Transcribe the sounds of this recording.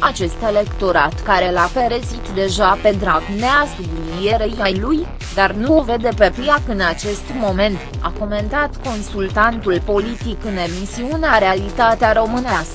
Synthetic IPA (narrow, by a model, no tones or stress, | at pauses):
at͡ʃe̞st̪e̞le̞kt̪o̞ɾat̪kaɾe̞lafe̞ɾezit̪d̪e̞ʒape̞d̪ɾaɡneasublinije̞ɾejajluj | d̪arnuove̞d̪e̞pe̞pliakɨnat͡ʃe̞st̪mo̞me̞nt̪a̰kome̞nt̪at̪ko̞nsult̪ant̪ulpo̞lit̪ikɨne̞misiuneaɾe̞alit̪at̪eaɾo̞mɨnæskə̥